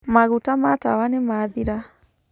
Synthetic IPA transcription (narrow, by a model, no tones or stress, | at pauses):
maɣutamata̰wanɪmaðiɾa